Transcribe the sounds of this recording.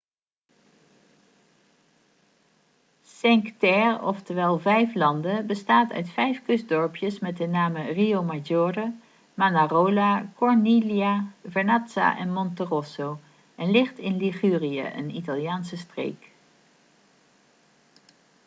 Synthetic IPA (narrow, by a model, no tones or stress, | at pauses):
sɛŋktɛrɔ̰ftəɹʋɛlˠvɛjflɑndəbəstaːtœ̰ɥtfɛjfkɵzdɔɹpjəsmɛtənaːməriowmad͡ʒɔːrə | manarowlakɔɹneliavɛɹnɑtsa̰ʔɛnmɔntərɔsow | ɛnlɪχtɪnliχyːriə̰ʔə̰nitalˠijaːnsəstrḛjk